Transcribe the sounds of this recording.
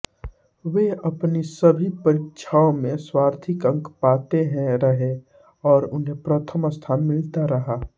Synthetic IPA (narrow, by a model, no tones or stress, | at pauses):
ʋeɐpnisɐbʱipəɾɪt̪ʃʰaːõmẽswaːɾt̪ʰɪkə̃ŋkpaːt̪eɦɛ̃ɾɐɦe | ɔːɾʊnɦẽpɾət̪ʰəməst̪ʰaːnmɪlt̪aɾɐɦaː